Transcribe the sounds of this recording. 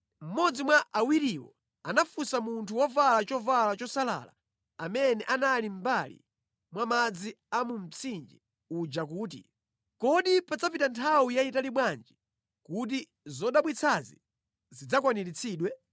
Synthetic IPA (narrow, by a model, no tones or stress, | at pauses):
m̩mɔd͡zimwaʔawiɾiwɔ̰ | anafusamuntʰuwɔvalat͡ʃɔvalat͡ʃɔsala̰la̰ | amɛnɛʔanalim̩balḭ | mwamad͡zi | amum̩t͡sʰind͡ʒi | ud͡ʒakuːt̬ḭ | kɔɗipad͡zapitantʰawijaitaliɓwand͡ʒi | kut̬i | zɔɗaɓwit͡sʰazḭ | zid͡zakwaniɾit͡sʰiːɗwɛ